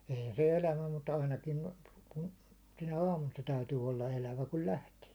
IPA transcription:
eihæn̞ se elæʋæ mut ɑinɑkin ku̥n̥ sinæ ɑːmun se tæytyː olːɑ elæʋæ kul læhteː

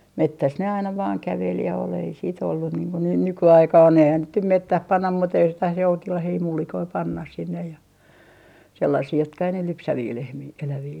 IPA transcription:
metːæs ne ɑinɑ ʋɑːŋ kæʋel jɑ ol ei siːt olːun niːŋ ko ne nykyɑikɑːn eihæn niːt nym metːæh pɑnːɑh muːtɑ jos tɑːs joutilɑhiː mulːikoi pɑnːɑh sinːeh jɑ selːɑsiː jotkɑ ei ne lypsæʋiː lehmiː elæʋiː

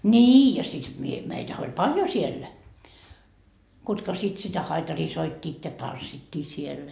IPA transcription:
nʲiː jɑ sit mie meitæh olʲ pɑljo sielːæ kutkɑ sit sitæ hɑitɑriː soitːiːt jɑ tɑnsːitːiː sielːæ

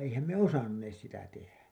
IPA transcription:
eihæm me osɑnːeːs sitæ tehæ

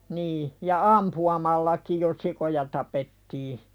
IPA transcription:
niː jɑ ɑmpuɑmɑlːɑkij jo sikojɑ tɑpetːi

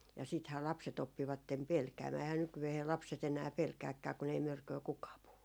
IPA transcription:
jɑ siːthæː lɑpset opːiʋɑtːem pelkæːmæː ehæː nykyʋeheː lɑpset enæː pelkæːkːæː kun ei mørkøː kukɑː puhu

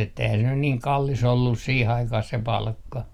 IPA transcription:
etːeihæ se nyn niːŋ kɑlːis olːus siːh ɑikɑh se pɑlkːɑ

